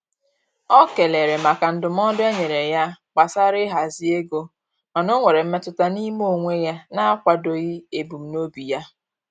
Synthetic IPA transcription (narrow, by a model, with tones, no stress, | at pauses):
ɔ˦ke˨le˨ɾe˨ma˨ka˨n̩˦dʊ˨m̩˦ɔ˦dʊ˦e˦ɲe˨ɾe˨ja˦k͡pa˨sa˦ɾɪ˦ɦa˨zi˦e˦ɡo˦ | ɔ˨nʊ˦ŋʷe˨ɾe˨m̩˦me˦tʊ˦ta˦ni˦m˦o˦˨ŋʷe˦ja˦na˦a˦kʷa˨do˦ɣɪ˦e˨bu˨m̩˨no˦bi˨ja˦